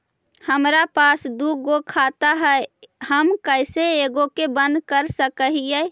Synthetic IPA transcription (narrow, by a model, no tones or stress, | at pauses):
həmɾapasd̪uɡokʰat̪aɦəɪhəmkəɪseeɡokebənd̪kəɾsəkəɦijɛɪ